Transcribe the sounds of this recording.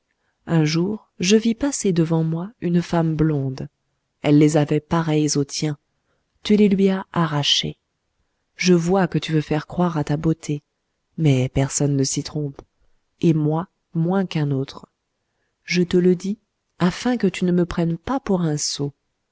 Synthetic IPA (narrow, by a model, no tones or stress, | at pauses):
ɛ̃ʒuʁ | ʒəvipased̪əvɑ̃mwaynfamblɔ̃d̪ | ɛlːezavɛpaʁɛjzot̪jɛ̃ | t̪ylelɥiaaʁaʃḛ | ʒəvwakət̪yvøfɛʁkχwaʁat̪abot̪ʰe | mɛpɛʁsɔnːəsit̪χɔ̃p | emwa | mwɛ̃kɛ̃not̪χ | ʒət̪ələd̪i | afɛ̃kət̪ynəməpχɛnpapuʁɛ̃so